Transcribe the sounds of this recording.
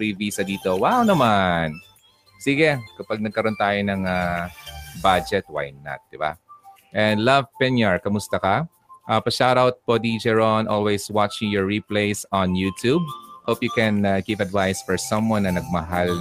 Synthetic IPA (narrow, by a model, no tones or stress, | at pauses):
ɾiviːsɐd̪iːt̪o̞wawnɐman | siːɡɛkɐpaɡ̚nɐɡ̚kɐɾo̞nt̪aːjonɐŋa | bad͡ʒɛt̪̚wa̰jnɐ̰t̪̚d̪̥ɪba̰ | ʔɛ̃nd̪lɐvpɛnjɛɹkɐmʊst̪ɐkɐ | ʔɐpɐʃawɾawt̪̚pod̪id͡ʒɛɹonʔolwejswat͡ʃɪ̃ŋjɔɹːipleɪsɔ̃njuːt̪ub̚hopjukɛ̃naɡɪvɐd̪vajsfɔɹsɐ̃mwɐ̃nːɐnɐɡ̚mɐɦal